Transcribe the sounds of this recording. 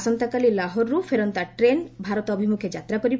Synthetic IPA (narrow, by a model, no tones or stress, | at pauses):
sɔnt̪akalilaɦɔɾɾufʰeɾɔnt̪aʈɾenbʱaɾɔt̪ɔbʱimukʰjed͡ʒat̪ɾakɔɾib